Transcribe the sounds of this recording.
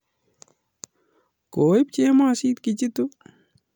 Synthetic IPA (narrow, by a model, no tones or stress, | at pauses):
koːib̚t͡ʃeːmasiːt̪kit͡ʃit̪u